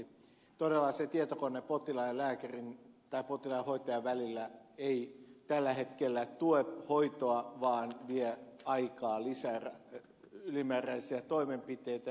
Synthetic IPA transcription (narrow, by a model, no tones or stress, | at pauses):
t̪odelːɑset̪iet̪okonːepot̪ilɑillæːkærint̪ɑipot̪ilɑihoit̪ɑjɑʋʋælilːæeit̪ælːæhet̪kelːæt̪uephoit̪oɑʋɑːnʋieɑikɑːlisærɑ | ylimæːræisiæt̪oimempit̪eit̪æ